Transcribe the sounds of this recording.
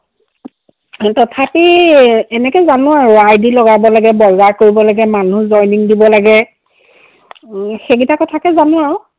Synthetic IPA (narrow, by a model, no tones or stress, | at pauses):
tɔtʰapiɛnɛkɛzanʊaɹʊajdilɔɡabɔlaɡɛbɔzaɹkoɹibɔlaɡɛmanuzɔjniŋdibɔlaɡɛ | xeɡitakɔtʰakɛzanʊaɹʊ